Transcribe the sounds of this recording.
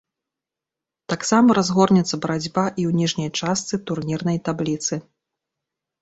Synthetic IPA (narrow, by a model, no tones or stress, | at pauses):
t̪aksamɐɾazɣɔrnʲɛt̪sːɐbɐɾad͡zʲbaʔiwnʲiʐnʲɐjt͡ʂast̪sɨt̪urnʲirnɐjt̪ablʲit̪sɨ